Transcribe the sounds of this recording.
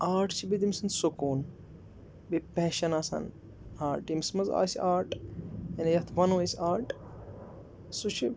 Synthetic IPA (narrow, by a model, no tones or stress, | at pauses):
aːɾʈʰt͡ʃʰibid̪imsɨnsukuːn | bipɛːʃɐnaːsɐ̰n | aːʈimsmɐza̰ːsiʔaːɾʈenjɐt̪ʰʋɐnesʲaːɾʈ | sut͡ʃʰi